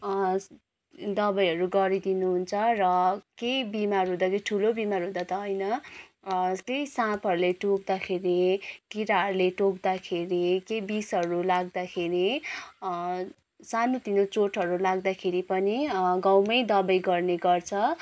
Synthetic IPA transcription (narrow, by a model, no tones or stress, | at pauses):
d̪ʌbʌjɦʌɾuɡʌɾid̪inuɦunt͡sʰʌrʌkejbimarɦũd̪akeiʈʰulobimaɾɦũd̪at̪ʌɦʌjnʌ | kejsãpʰʌɾuleʈok̚d̪akʰeɾikiɾaɦʌɾuleʈokd̪akʰeɾikejbisɦʌɾulaɡd̪akʰeɾi | sanot̪inot͡soʈɦʌɾulaɡd̪akʰeɾipʌniɡawmʌjd̪ʌbʌjɡʌrneɡʌrt͡sʰʌ